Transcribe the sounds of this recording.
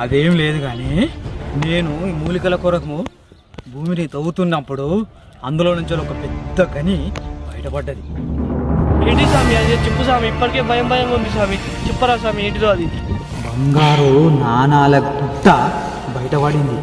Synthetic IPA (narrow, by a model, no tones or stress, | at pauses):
ɐd̪e̞ːmile̞ːd̪uɡaːneːne̞ːnumuːlikɐlɐkuɾɐkɐmu | bʱuːminit̪ɐwut̪undɐpːuɽu | ɐnd̪ulo̞ːnuɲt͡ʃelɔkɐpɛd̪ːɐɡɐnibɐjɐʈɐpɐɖːɐd̪i | eːɳʈisaːmiɐd̪et͡ʃepːusaːmiːpːɐʈike̞ːbʱɐjɐmbʱɐjɐmund̪is̬aːmit͡ʃɛpːɐɾaːs̬aːmieːɳʈ̬iɾoːɐd̪i | bɐŋɡaːɾunaːnaːlɐɡuɖːɐ | bɐjɐʈɐpɐɽind̪i